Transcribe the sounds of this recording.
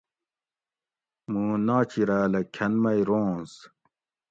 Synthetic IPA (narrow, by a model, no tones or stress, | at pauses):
mũnaːt͡ɕiɾæːlɐkʰɐnmɐijɾoːnz